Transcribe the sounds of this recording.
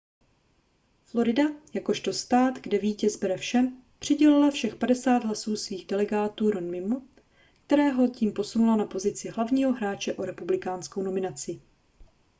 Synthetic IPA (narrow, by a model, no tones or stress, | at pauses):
flo̞ɾɪdajako̞ʃt̪o̞st̪aːt̪ɡdɛviːcɛzbɛɾɛfʃɛm | pr̝̥ɪɟɛlɪlafʃɛxpadɛsaːd̪ɦlasuːsviːɣdɛlɛɡaːt̪uːɾonmɪmu | kt̪ɛɾɛːɦo̞ciːmpo̞sunulanapo̞zɪt͡sɪɦlavɲiːɦo̞ɦɾaːt͡ʃɛʔo̞ɾɛpublɪkaːnsko̞wno̞mɪnat͡sɪ